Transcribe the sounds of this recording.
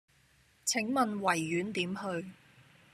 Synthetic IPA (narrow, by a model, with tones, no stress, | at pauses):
t͡sʰɪ˨˥ŋmɐ˨nwɐ˨˩jːyː˨˥nt̪iː˨˥mhɵ˧ɥ